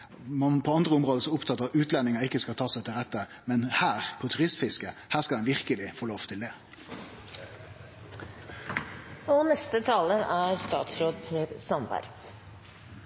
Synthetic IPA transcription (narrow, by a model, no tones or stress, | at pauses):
mɑnpʰɔːɑnd̪ʁəʊmʁoːd̪əsɔʊpt̪ʰɑt̪ːəɑʉːt̪ʰlɛnːɪŋəɪkːəskɑlt̪ʰɑːsæɪt̪ʰɪlʁɛt̪ːə | mɛnhæːʁpʰɔt̪ʰʉʁɪst̪fɪskəhæːskɑld̪ɛnʋɪʁkəlɪfoːloːʋt̪ʰɪld̪ɛː | ɔnɛst̪ət̪ʰɑːləæɾst̪ɑ̰ːt̪sɾoːd̪pʰeːɾsɑnbæ̰ɾ